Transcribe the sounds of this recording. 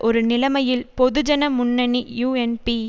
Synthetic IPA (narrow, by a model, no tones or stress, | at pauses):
ʔɔɾɯnɪlɐmɐjɪlpɔðɯd͡ʒɐnɐmʊnːɐnijuːɛnpi